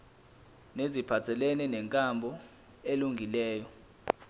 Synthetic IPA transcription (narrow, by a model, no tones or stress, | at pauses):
nezipʰatʰɛlɛnɛnɛŋkʼambʱɔ | eluŋɡʱilɛːjɔ